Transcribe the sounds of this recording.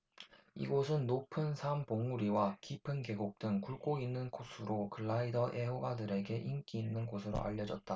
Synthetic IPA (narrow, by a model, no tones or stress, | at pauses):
ḭɡosʰɯnːopʰɯnsʰampoŋuɾiwakipʰɯnke̞ɡok̚t͈ɯŋkuɭk͈oinːɯnɡosʰɯɾokɯɭːaidʌʔeoɡadɯɾe̞ɡe̞ʔink͈iːnːɯnɡosʰɯɾo̰ʔa̰ʎːʌd͡ʑʌt̚t͈a